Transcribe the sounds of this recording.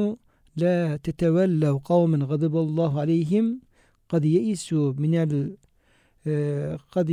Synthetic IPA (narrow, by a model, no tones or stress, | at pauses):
lat̪at̪awalːawqɑwmanɣɑd̪ˤɑbɑlˤːɑːɦʕalajɦɪm | qɑd̪jaʔisumɪnal | qɑd̪